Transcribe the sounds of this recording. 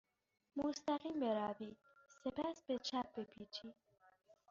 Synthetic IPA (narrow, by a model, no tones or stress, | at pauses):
mʊst̪æqiːmbeɾabi | sepæsbet͡ʃʰæp̚bepʰit͡ʃʰi